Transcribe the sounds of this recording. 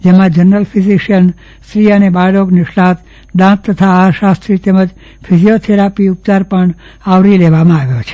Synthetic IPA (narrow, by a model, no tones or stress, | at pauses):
d͡ʒemãd͡ʒəɾnəlpʰiziʃən | sɾiənebaɽokniʃlãt̪ | d̪ãt̪ːət̪ʰaaʃast̪ɾit̪eməd͡ʒ | pʰid͡ʒijot̪ʰeɾapiup̚t̪aɾpəɳ | aʋɾileʋamãaʋjot͡ʃʰe̥